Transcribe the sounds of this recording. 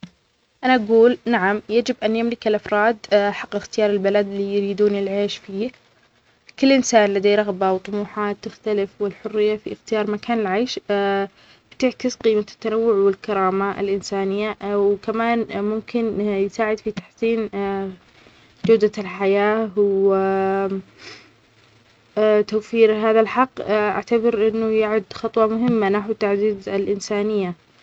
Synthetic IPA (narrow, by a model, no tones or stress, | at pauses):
ʔanaʔaɡuːlnaʕamjad͡ʒɪbʔanjamlɪkɪlʔɑfɾˤɑːd̪ħaqːɪxt̪ɪjɑːɾˤɪlbalad̪lijɾiːd̪uːnɪlʕeːʃfiː | kɪlːʔɪnsaːnlad̪ajɾˤɑɣbawt̪ˤʊmuːħaːt̪ːɪxt̪alɪfwɪlħʊrːɪjːafḭɪxt̪ɪjɑːɾˤmakaːnɪlʕajːʃ | b̥t̪ɪʕkɪsqiːmat̪ːanawːʊʕwɪlkɑɾˤɑːmaʔɪ̰lʔɪnsaːnɪjːawkamaːnmʊmkɪnjɪsaːʕɪd̪fit̪ḁħsiːn | d͡ʒawd̪alħajaːw | t̪awfiːɾɦaːðalħɑqːʔa̰ʕt̪abɑɾʔɪnːʊjaʕʊd̪xɑt̪ˤwɑmʊɦɪmːanaħwt̪ːaʕd̪iːd̪ɪlʔɪnsaːnɪjːa